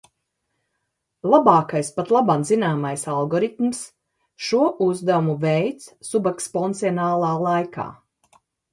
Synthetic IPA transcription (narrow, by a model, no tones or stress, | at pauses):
lˠabaːkajspat̪lˠabanzinaːmajsalˠɡɔɾit̪ms | ʃuɔʔuzd̪aumuvɛjt̪ssubakspɔnt̪siɔnaːlˠaːlˠajka̰ː